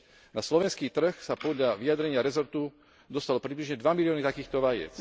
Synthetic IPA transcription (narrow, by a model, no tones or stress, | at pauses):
naslɔʋɛnskiːt̪r̩xsapɔd̪ʎaʋiad̪ɾɛɲɪaɾɛzɔɾt̪u | d̪ɔst̪alɔpɾibliʒɲɛd̪ʋamiliɔːnit̪akiːxt̪ɔʋajɛ̰t͡s